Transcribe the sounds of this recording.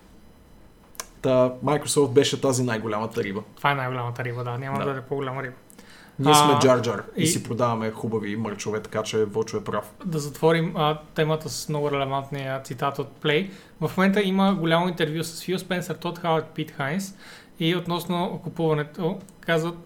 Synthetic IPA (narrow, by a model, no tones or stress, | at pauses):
t̪amajkɾosɔft̪̚bɛʃɛt̪azinajɡolʲamət̪ɐɾibət̪o̥vaɛnajɡolʲamət̪ɐɾibəd̪anʲamɐd̪ɐɐd̪ɛpoɡʊlʲaməɾibə | niɛsmɛd͡ʒaɾd͡ʒaɾisipɾod̪avɐmɛxubɐviməɾt͡ʃovɛt̪ɐ̥kat͡ʃɛvɔt͡ʃʊɛpɾafd̪ɐzɐt̪vɔɾimət̪ɛmət̪əsə̥smnɔɡʊɾɛlɛvant̪nijət̪sit̪at̪ot̪̚plɛj | vɐfmomɛnt̪əiməɡʊlʲamoint̪ɛɾvʲjusə̥sfjuspɛnsəɾt̪ɔt̪xawt̪pit̪xajns | iot̪nɔsnokʊpuvɐnɛt̪okazvət̪